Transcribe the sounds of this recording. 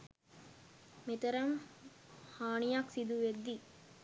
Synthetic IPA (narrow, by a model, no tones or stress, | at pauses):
met̪əɾɐŋ | haːɳijaksid̪uʋed̪ːi